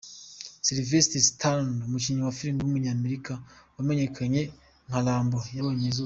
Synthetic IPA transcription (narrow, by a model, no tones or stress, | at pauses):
siɾivesitistanumuciːɲawafiɾiŋɡwumuɲaːmeɾikawame̞ɲe̞kʰaɲe̞ | ŋ̥halaːmbojaβoɲezu